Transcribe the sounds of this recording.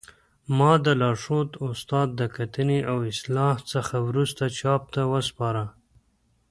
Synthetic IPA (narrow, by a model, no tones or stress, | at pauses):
mɑd̪əlɑʂot̪ʊst̪ɑd̪̚ːəkat̪əneʔawɪslɑht͡səxawɾust̪at͡ʃɑp̚t̪awəspɑɾa